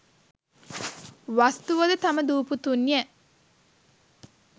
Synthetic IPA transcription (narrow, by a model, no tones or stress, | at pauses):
ʋast̪uʋəd̪ət̪aməd̪uːput̪unːiə